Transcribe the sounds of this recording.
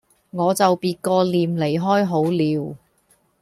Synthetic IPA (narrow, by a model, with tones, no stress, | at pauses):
ŋɔː˨˧t͡sɐ˨wpiː˨˧t̚kɔː˧liː˨mle˨˩jɦɔː˥jɦo˨˥wliː˨˧w